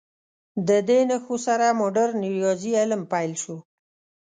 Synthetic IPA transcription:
d̪əd̪enaxusaɾamoɖaɾniɾjɑzialmpajlʃu

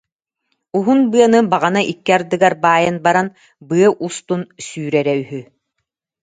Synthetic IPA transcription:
uɦunbɯɐnɯbaʁanaʔikːiaɾd̪ɯɡaɾbaːjɯnbaɾan | bɯɐʔust̪unsyːɾɛɾɛyɦy

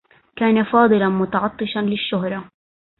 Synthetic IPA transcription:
kaːnafɑːd̪ˤɨlanmʊt̪ɑʕɑt̪ˤːɨʃɑnlɪʃːʊɦɾˤɑ

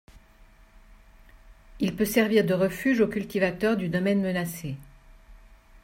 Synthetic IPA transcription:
ilpøsɛʁviʁd̪əʁəfyʒokʲylt̪ivat̪œʁd̪yd̪ɔmɛnmənase

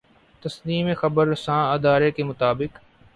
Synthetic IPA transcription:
t̪ɐsliːmexɐbəɾsãːɪd̪aːɾekemʊt̪aːbɪk

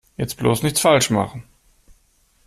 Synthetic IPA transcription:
jɛt͡stb̥loːsnɪçt͡sfalʃma̰χn̩

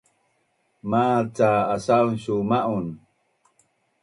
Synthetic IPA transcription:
mat͡saːsaunɕumaʔun

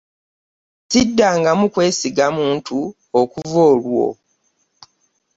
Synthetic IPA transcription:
tidːaːŋɡamukwe̞ːsiɡamuːntu | okuvoːlwo̞̰

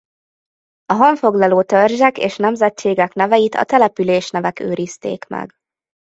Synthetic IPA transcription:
ɒɦɒɱfo̞ɡlɒloːt̪ørʒɛkeːʃnɛmzɛt͡ʃːeːɡɛknɛvɛjit̪ɒ̰t̪ɛlɛpyleːʃnɛvɛkø̰ːɾist̪ḛːkmɛ̰ɡ

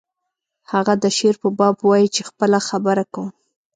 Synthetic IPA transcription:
haɣad̪əʃeɾpəbɑbwɑjit͡ʃexpəlaxabəɾaka

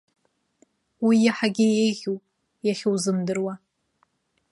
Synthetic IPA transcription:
wijaħaɡʲɪjejʁʲupʼ | jaχʲowzɨmdɨrwa

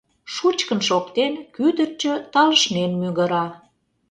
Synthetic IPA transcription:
ʃut͡ɕkənʃokt̪enkyd̪ərt͡ɕøt̪ɑləʃnenmyɣə̆ɾɑ

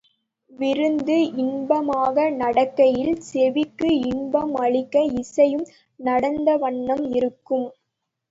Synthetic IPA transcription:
ʋɪɾɯnd̪ɯʔɪnbɐmaːɣɐnɐɽɐkːɐjɪlsɛʋɪkːɯɪɳbɐmɐɭɪkːɐɪsɐjɯm | nɐɽɐnd̪ɐʋɐɳːɐmɪɾɯkːɯm

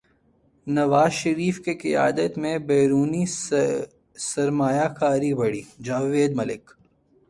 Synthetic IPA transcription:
nɐʋaːzʃɐɾiːfkekɪja̰ːd̪ət̪mẽbɛːɾuːni | sɐɾmaːjakaːɾibɐɽiːd͡ʒaːʋeːd̪mɐlɪ̰k

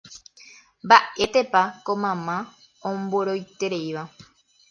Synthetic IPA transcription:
mbaʔet̪epakomãmã | õmboɾojt̪eɾejʋa

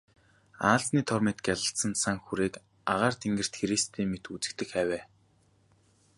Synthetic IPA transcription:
aːɮt͡sniːt̪ʰɔrmet̪̚ɡjaɮə̆ɬt̪sə̆nsaŋxuɾeːk | aʁaːrt̪ʰeŋɡɘ̆r̥t̪xeɾist̪ʰiːmet̪ut͡sɘ̆k̚t̪ɘ̆xæːwʲæː

